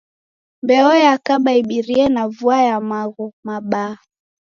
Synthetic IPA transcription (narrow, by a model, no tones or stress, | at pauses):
mbɛɔɛakaɓaiɓiɾiɛnavuajamaɣumaɓa